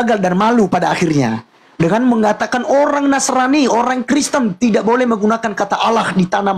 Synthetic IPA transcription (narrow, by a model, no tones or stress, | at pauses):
ɡaldanmalupadaːxirɲa̰ | dəŋanməŋat̪akanoɾaŋnasɾanioɾaŋkɾist̪ənt̪idaʔ̚bolɛhməɡunakankat̪aʔalahdit̪anam